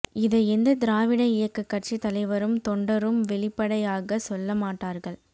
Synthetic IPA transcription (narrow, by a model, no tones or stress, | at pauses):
ɪðɐɛnd̪ɐd̪ɪɾaːʋɪɽɐɪjɐkːɐkːɐʈ̚t͡ʃːit̪ɐlɐɪʋɐɾɯmt̪ɔɳɖɐɾɯmʋɛɭɪpːɐɽɐjaːɣɐsɔlːɐmaːʈːaːɾɣɐɭ